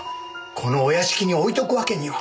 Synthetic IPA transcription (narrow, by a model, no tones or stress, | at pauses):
kʰo̞no̞ːjaɕi̥kʲiɲ̟io̞it̪o̞kɯ̟βake̞ɲ̟iβa